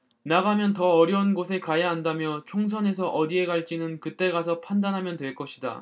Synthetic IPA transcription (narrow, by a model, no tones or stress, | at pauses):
naɡamjʌntʌʌɾjʌunɡosʰe̞kajaɦandamjʌt͡ɕʰoŋs̬ʰʌne̞s̬ʰʌʔʌdie̞ɡaɭt͡ɕ͈inɯnkɯt͈e̞ɡasʰʌpʰandanɦamjʌntwe̞ɭk͈ʌɕʰida̰